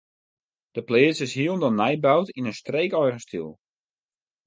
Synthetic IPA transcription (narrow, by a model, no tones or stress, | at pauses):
d̥əplɪːsəsɦiəlˠndɔnajbawtinənstreːkɔjrəstʰḭlˠ